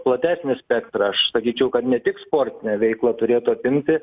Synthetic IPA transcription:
plˠɐt̪ʲæːsʲnʲɪsʲpʲɛkt̪ɾɐɐʃsɐkʲiːt͡ʃʲɛʊkɐt̪nʲɛt̪ʲɪkspoːɾʲt̪ʲɪnʲɛʋʲɛɪklˠɐt̪ʊɾʲeːt̪ʊɐpʲɪmʲt̪ʲɪ

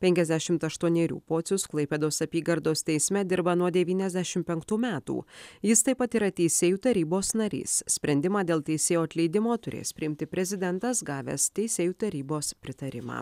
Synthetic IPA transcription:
pʲɛŋʲkʲɛzʲd̪ʲæʃʲɪmt̪ɐʃt̪uɔnʲeːɾʲṵːpoːt̪sʲʊsklˠɐɪpʲɛːd̪oːsɐpʲiːɡɐɾd̪oːst̪ʲɛɪsʲmʲɛd̪ʲɪɾbɐnuɔd̪ʲɛʋʲiːnʲɛzʲd̪ʲæʃʲɪmpʲɛŋkt̪uːmʲæːt̪ṵːjɪst̪ɐɪpɐt̪iːɾɐt̪ʲɛɪsʲeːjuːt̪ɐɾʲiːboːsnɐɾʲḭːssʲpʲɾʲɛnʲd̪ʲɪmɑːd̪ʲeːlˠt̪ʲɛɪsʲeːjoːɐt̪ʲlʲɛɪd̪ʲɪmoːt̪ʊɾʲḛːspʲɾʲɪɪmʲt̪ʲɪpʲɾʲɛzʲɪd̪ʲɛnt̪ɐsɡɑːʋʲḛːst̪ʲɛɪsʲeːjuːt̪ɐɾʲiːboːspʲɾʲɪt̪ɐɾʲɪmɑ̰ː

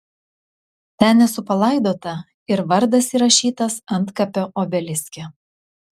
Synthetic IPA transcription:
t̪ʲænʲɛsʊpɐlˠɐˑɪd̪oːt̪ɐ | ɪɾʋɐɾd̪ɐsiːɾɐʃʲiːt̪ɐsɐnt̪kɐpʲoʔoːbʲɛlʲɪsʲkʲɛ

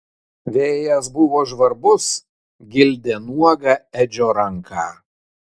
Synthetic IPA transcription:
ʋʲeːjɛsbʊʋoːʒʋɐɾbʊs | ɡʲɪlʲd̪ʲeːnuɔɡɑɛd͡ʒʲoːɾɐŋkʰɑ̰ː

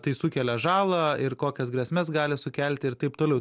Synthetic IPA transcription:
t̪ɐɪsʊkʲɛlʲɛʒɑːlˠɐɪrkoːkʲɛsɡɾʲɛsʲmʲɛsɡɑːlʲɪsʊkʲɛlʲt̪ʲɪɪɾt̪ɐɪpt̪oːlʲɛʊ

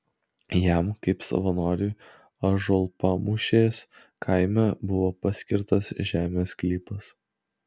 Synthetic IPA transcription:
jæmkɐɪpsɐ̰ʋɐnoːɾʲʊ | ɐʒɔlˠpɐmʊʃʲeːs | kʰɐɪmʲɛbʊʋoːpɐsʲkʲɪɾt̪ɐsʒʲæːmʲeːsklʲipɐs

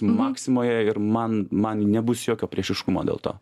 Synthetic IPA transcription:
mɑːksʲɪmoːjɛɪɾmɐnmɐnnʲɛbʊsjoːkʲoːpʲɾʲiɛʃʲɪʃkʊmoːd̪ʲḛlˠt̪o̰ː

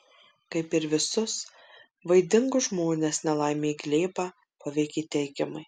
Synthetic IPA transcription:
kɐɪpɪɾʋʲɪsʊs | ʋɐɪd̪ʲɪŋɡʊʒmoːnʲeːsnʲɛlˠɐɪmʲeːɡlʲeːbɑː | pɐʋʲɛɪkʲiːt̪ʲɛɪɡʲɪmɐɪ

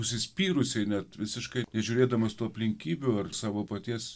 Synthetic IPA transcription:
ʊsʲɪsʲpʲiːɾʊsʲɛɪnʲɛt̪ʋʲɪsʲɪʃkɐɪnʲɛʒʲʊɾʲeːd̪ɐmɐst̪uːɐpʲlʲɪŋʲkʲiːbʲuɐrsɑːʋoːpɐt̪ʲiɛs

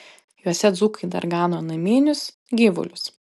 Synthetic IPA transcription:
juɔsʲɛd̪zuːkɐɪd̪ɐ̰ɾɡɑːnoːnɐmʲiːnʲʊs | ɡʲiːʋʊ̰lʲʊs

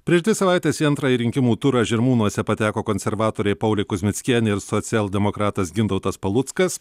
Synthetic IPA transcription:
pʲɾʲiɛʃd̪ʋʲɪsɐʋɑˑɪt̪ʲeːsiːɐnt̪ɾɑːjiːɾʲɪŋʲkʲɪmuːt̪ʊɾɑʒʲɛɾmuːnuɔsʲɛpɐt̪ʲæːkoːkonʲsʲɛɾʋɑːt̪oːɾʲɛɪpɐʊlʲɛɪkʊzʲmʲɪt̪sʲkʲiɛnʲɪɪɾsɔt̪sʲɛlˠd̪ʲɛmokɾɑːt̪ɐsɡʲɪnd̪ɐʊt̪ɐspɐlˠʊt̪skɐs

